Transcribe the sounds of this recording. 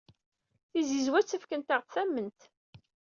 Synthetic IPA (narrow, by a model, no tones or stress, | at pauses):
θizizwæt͡sːəfkənt̪əʁtθæmːənt̪